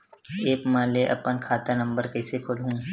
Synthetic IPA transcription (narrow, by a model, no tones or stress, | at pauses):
eːkmaːleʔɐ̰pənkʰaːt̪anɐ̃mbəɾkɛːsekʰʊlɦũː